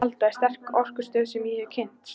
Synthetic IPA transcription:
alt̪ajst̪ɛr̥kɔr̥kʏ̥st̪œːðsɛmjɛɛcʰɪnt̪

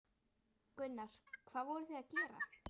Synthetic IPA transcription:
kʏnːaɾ̥kʰv̥aːðvɔɾʏθɛðaðcɛːɾa̰

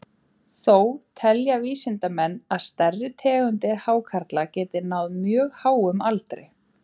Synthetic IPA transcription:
θowt̪ʰɛljaviːsɪnt̪amɛnːaðst̪ɛrːɪt̪ʰɛːɣʏnt̪ɪɾhaːwkʰaɾt̪lacɛːt̪ɪnawðmjœːɣhaːwʏmalt̪ɾɪ̰

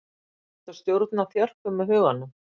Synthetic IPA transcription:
ɛt̪ḁst̪jowɾt̪naθjœr̥kʏmːɛðɦʏːɣanːʏ

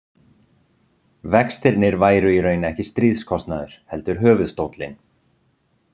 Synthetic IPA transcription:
vɛkst̪ɪɾnɪɾvaːjɾʏiɾœːɥnaɛhcɪst̪ɾiːðskʰɔst̪naðʏɾ̥hɛlt̪ʏɾ̥ɦœːvʏðst̪owt̪lɪn

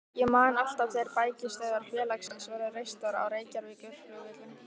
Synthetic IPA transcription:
jɛmaːnal̥t̪aθejɾpaːjcɪst̪aːjðaɾ̥fjɛːlaksansvaɾʏrejst̪aɾa̰wɾeːjcaɾvɪcʏɾ̥ʏvɪt̪lɪ

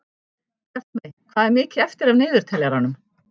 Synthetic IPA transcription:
ɛr̥t̪mejkʰv̥aːðɛɾmɪːcɪɛft̪ɪɾavnɪːðʏɾ̥t̪ʰɛljaɾanːʏm

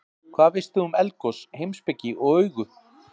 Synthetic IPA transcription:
kʰvaːðvɪst̪ɪʏmɛlkɔshejmspɪcːɪʔɔɣœɥɣʏ

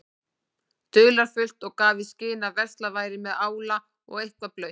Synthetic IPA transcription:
t̪ʏːlaɾ̥fʏl̥t̪ɔɣkaːvɪscɪːnavɛrst̪lavaːjɾɪmɛðaːwla | ɔ̰ɣejhkvaplœɥ

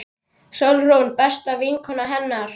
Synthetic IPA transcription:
sœwlrownpɛst̪aviŋkʰɔnːaɦɛnːaɾ̥

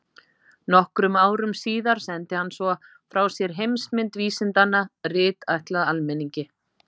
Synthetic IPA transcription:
nɔhkɾʏmaːwɾʏmsiːðaɾ̥sɛnt̪ɪhanːsvɔ | fɾaːwsjɛɾ̥ɦejmsmɪnt̪viːsɪnt̪anːarɪːt̪ajht̪laðalmɛniɲcɪ

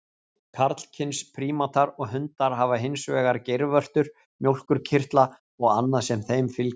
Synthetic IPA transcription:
kʰaɾt̪l̥cʰɪnspʰɾiːmat̪aɾɔɣɦʏnt̪aɾ̥ɦavaɦɪnsvɛːɣaɾcejɾvœr̥t̪ʏɾ̥ | mjowl̥kʏɾcʰɪr̥t̪la | ɔɣanːasɛmθejmfɪl

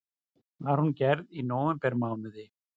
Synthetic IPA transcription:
θaɾhuncɛɾðinoːwvɛmpɛɾmaːwnʏðɪ

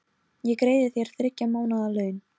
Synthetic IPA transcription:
jɛkɾeːjðɪθjɛɾ̥θɾɪcːamaːwnaðalœːɥn

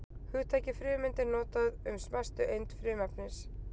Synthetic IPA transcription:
hʏːt̪ʰɛːjcɪfɾʏːmɪnt̪ɪɾnɔːt̪aðʏmsmɛst̪ʏʔejnt̪fɾʏːmɛpnɪs

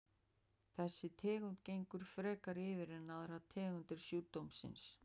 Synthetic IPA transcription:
θɛsːɪt̪ʰɛːɣʏnt̪cejŋkʏɾ̥fɾɛːkaɾɪvɪɾɛnːaðɾat̪ʰɛːɣʏnt̪ɪɾ̥sjuːt̪owmsɪ̰ns

